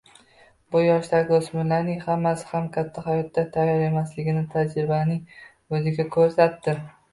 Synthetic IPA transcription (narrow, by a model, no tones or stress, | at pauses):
bʊjɒʃlaɾɡʲosmɪnlanɪŋhamːasɪ̥hamkʲʰat̪ʰːahajɒt̪ːat̪ʰajːɒɾe̞maslɪɡʲɪnɪt̪ʰad͡ʒɾɪbanɪŋ | ɵzɪɡʲakʰɵɾsat̪ːɪ